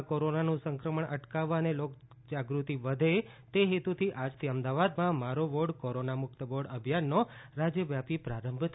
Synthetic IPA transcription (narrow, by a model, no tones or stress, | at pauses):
koɾonanũsəŋkɾəməɳʔə̰ʈkaʋːaənelok | d͡ʒaɡɾut̪iʋəd̪ʱe | t̪eɦet̪ut̪ʰiʔad͡ʒt̪ʰiəmd̪aʋad̪mãmaɾoʋoɖkoɾonamʊkt̪əʋoɖəbʱjanːoɾad͡ʒjəʋjapipɾaɾəmbʱt̪ʰ